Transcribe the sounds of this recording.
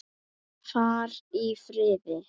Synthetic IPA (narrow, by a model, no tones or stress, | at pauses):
faːɾifɾɪːðɪ